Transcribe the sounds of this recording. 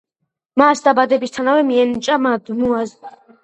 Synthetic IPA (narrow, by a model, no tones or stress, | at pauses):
masd̪abad̪ɛbist̪ʰanavɛmiɛnt͡ʃʼamad̪muaz